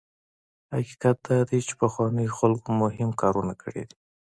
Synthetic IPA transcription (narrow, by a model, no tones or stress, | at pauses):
haki̥kat̪̚d̪̥ɑd̪et͡ʃe̥paxwɑnəjoxalɡomʊhɪmkɑɾunakəɽḛd̪i̥